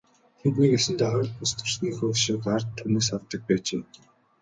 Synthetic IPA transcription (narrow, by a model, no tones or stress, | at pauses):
xemt̪niːɡesɘ̆nt̪æχœɾ̆ʲɮpʊst̪ə̆r̥sniːxʃʊːkart̪ʰːuneːsawt̪ːə̆k̚pæːt͡ɕeː